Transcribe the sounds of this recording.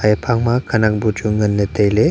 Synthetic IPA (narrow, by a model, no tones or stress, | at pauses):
ajpʰaŋmakʰanak̚bud͡ʒuŋɡənːetejle